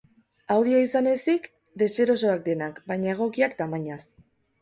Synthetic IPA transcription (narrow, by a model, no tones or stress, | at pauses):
awð̞ioisane̞sik | d̪e̞se̞ɾo̞so̞ak̚d̪e̞nakbajɲae̞ɣ̞o̞kiakt̪amaɲas